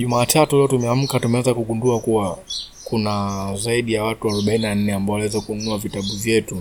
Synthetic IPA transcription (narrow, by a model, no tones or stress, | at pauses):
ʄumaːtʰatulɛɔtumɛam̩katumɛwɛzakuɠunduakuwa | kunazaiɗijawatuaɾɔɓaininan̩nɛambaɔwalawɛzakununuavitaɓuvjɛtu